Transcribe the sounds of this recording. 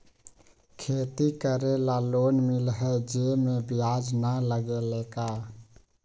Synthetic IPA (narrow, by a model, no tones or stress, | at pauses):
kʰet̪ikəɾelalonmilɦəd͡ʒemebijad͡ʒnaləɡelɛka